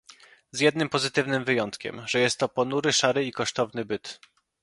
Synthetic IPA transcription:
zjɛd̪̚nɘmpɔzɘt̪ɘvnɘmvɘjɔnt̪kʲɛ̰mʐɛjɛst̪ːɔpɔnuɾɘʂaɾɘikɔʂt̪ɔvnɘbɘt̪

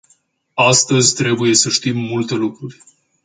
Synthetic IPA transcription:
ast̪əzʲt̪ɾe̞buje̞səʃt̪imːult̪e̞lukɾurʲ

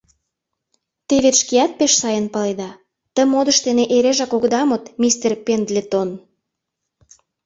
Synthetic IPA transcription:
t̪eβet̪ʃkiɑt̪̚peʃsɑjənpɑled̪ɑ | t̪ə̆mod̪ə̆ʃt̪eneʔeɾeʒɑkoɣd̪ɑmot̪mʲist̪erpend̪lʲet̪on

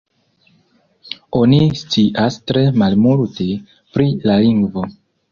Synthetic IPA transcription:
o̞nist͡siʔastɾe̞malmuɾte | pɾilaliŋɡvo

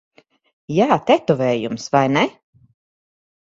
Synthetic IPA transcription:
jaːt̪ɛt̪uvɛːjumsvajnɛ

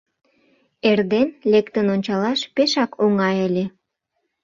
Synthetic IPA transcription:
erd̪enlekt̪ənonʲt͡ɕɑlɑʃpeʃɑkʰoŋɑjəlʲe

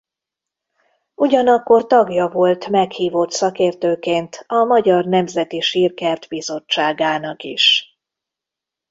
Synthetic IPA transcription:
uɟɒnɒkːo̞rt̪ɒɡjɒvo̞lt̪mɛkhiːvo̞t̪sɒkeːrt̪øːkeːnt̪ɒmɒɟɒrnɛmzɛt̪iʃiːrkɛrt̪bizo̞t͡ʃːaːɡaːnɒkiʃ

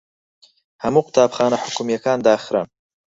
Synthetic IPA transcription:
hamuqɪ̥t̪ʰaːbxɑːnaħʊkumijakɑːnd̪ɑːxɾa̰n

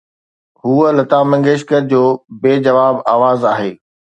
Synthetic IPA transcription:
ɦuːəlɐt̪aːmɐ̃ŋɡeːʃkəɾd͡ʑoːbeːd͡ʑɐʋaːbaːʋaːzaːɦeː

